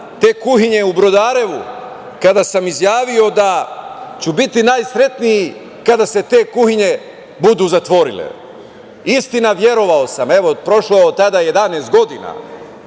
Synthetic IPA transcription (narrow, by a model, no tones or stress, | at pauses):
t̪e̞ːkuhiɲe̞ubɾo̞d̪aːɾe̞ʋu | kad̪asamizjaːʋio̞d̪at͡ɕubit̪inaːjsɾe̞t̪niji | kad̪ase̞t̪e̞ːkuhiɲe̞ | bud̪uzat̪ʋo̞ɾḭlḛ | ist̪inaʋje̞ɾo̞ʋaosame̞ʋo̞pɾo̞ʃloeot̪ːad̪aje̞d̪aneːst̪̚ɡo̞d̪ina̰